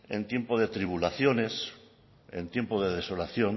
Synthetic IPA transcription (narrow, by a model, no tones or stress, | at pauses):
ḛ̃nt̪je̞mpoðet̪ɾiβ̞ulaθjo̞nes | ḛnt̪je̞mpoðeðeso̞laθjo̞n